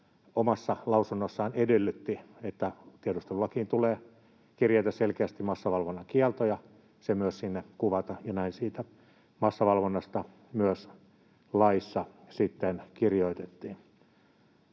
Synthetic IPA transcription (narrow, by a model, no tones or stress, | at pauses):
omɑsːɑlɑusunːosːɑːnedelːyt̪ːiet̪ːæt̪iedust̪elulːɑkiːnt̪uleː | kirjeit̪æselkeæst̪immɑsːɑʋɑlʋonːɑkiɛlt̪ojɑ | semyøssinːekuʋɑt̪ɑjɑnæinsiːt̪æ | mɑsːɑʋɑlʋonːɑst̪ɑ | myøs | lɑisːɑ | sit̪ːenkirjoit̪et̪ːiːn